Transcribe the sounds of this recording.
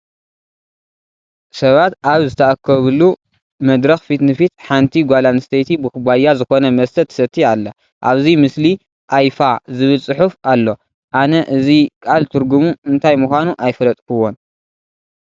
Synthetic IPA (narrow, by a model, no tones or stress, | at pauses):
sɐβat̪aβzɨt̪ʰɐʔakʰːɐβɨlu | mɐd̪ɾɐxfit̪nɨfit̪ħant̪ʰiɡʷalanɨst̪ʰejt̪ʰibɨkɨbajazɨxo̞nɐmɐst̪ʰɐt̪ʰːɨ̥sɐt̪ʰːialːɐ | ʔaβzimɨsli | ʔajfazɨβɨlsʼɨħufalːo̞ | ʔanɐʔɨzikʼalt̪ʰɨɾɡumuɨnt̪ʰajmuxʷanuʔajfɐlɐt̪ʼkʰɨwːo̞n